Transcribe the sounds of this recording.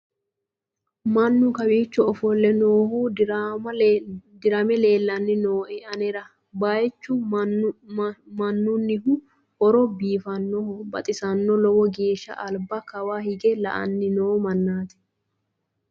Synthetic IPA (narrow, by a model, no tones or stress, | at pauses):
mɐnːʊkɐwiːt͡ʃːɔɔfɔlːɛnoːhuːɐd̪ɪɾɐmɛle̞ːlːɐnːɪnoːʔɛɐnɛɾɐ | baːjɛt͡ʃːʊ | mɐnːʊnːɪɦʊ | ɔɾɔbiːfɐnːɔhʊbɐ̰t̪ʼɪsɐnːɔlɔwɔɡeːʃːɐ̰ʔɐlbɐkɐwaːhɪɡɛlɐ̰ʔɐ̰nːɪnoːmɐnːaːt̪ɛ̥